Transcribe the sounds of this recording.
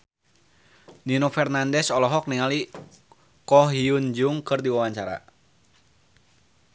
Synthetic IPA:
ninɔfɛrnandɛsɔlɔɦɔk̚niŋali | kɔɦiund͡ʒuŋkɨrdiwawaɲt͡ʃaɾa̰

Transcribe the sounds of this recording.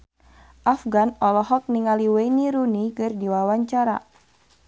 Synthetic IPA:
ʔafɡanɔlɔɦɔk̚niŋaliwejniɾunikɨrdiwawaɲt͡ʃaɾa̰

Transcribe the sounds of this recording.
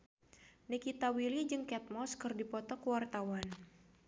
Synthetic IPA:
nikit̪awilid͡ʒɨŋkɛt̪̚mɔskɨrdipɔt̪ɔkəwart̪awan

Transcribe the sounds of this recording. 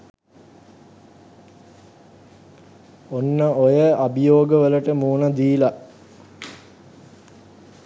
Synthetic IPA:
onːəojəabijoːɡəʋələʈəmuːnad̪iːla

